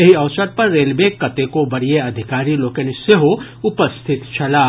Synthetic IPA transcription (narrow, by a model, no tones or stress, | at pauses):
ɐɦiɐʋsəɾpɐɾːeːlbeːkːɐt̪ekobɐɽijeɐd̪ʱɪkaːɾiloːkenɪseɦo | ʊpəst̪ʰɪt̪t͡ʃʰɐlaː